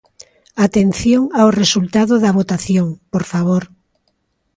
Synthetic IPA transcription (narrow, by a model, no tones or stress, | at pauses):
at̪enθjoŋaoresult̪aðoðɐβ̞ot̪aθjoŋpoɾfaβ̞oɾ